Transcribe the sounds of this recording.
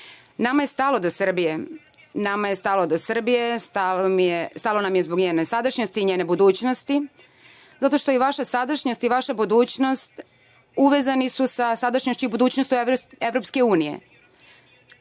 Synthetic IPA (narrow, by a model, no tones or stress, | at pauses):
namaje̞st̪alod̪osr̩bije | namajest̪alo̞d̪osr̩bije̞st̪amest̪aːlonamje̞zbo̞ɡɲeːnesad̪aʃɲost̪iɲeːne̞bud̪uːt͡ɕno̞st̪i | zat̪o̞ʃt̪o̞iʋaʃasad̪aʃɲost̪iʋaʃabud̪uːt͡ɕno̞st̪ | uʋeːzanisusasad̪aʃɲoʃt͡ɕuibud̪uːt͡ɕnostt͡ɕue̞ʋɾopske̞uːnije̞̰